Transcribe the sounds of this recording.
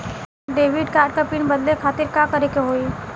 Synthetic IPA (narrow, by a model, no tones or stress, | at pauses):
ɖeːʋɪɖkaːɾɖkapɪɳbəd̪lekʰaːt̪ɪɾkakɐɾekeɦoːi